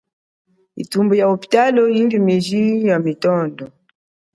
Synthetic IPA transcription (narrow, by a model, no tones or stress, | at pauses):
ḭtumbujaopi̥talɔiŋɡimiʒijamitɔndɔ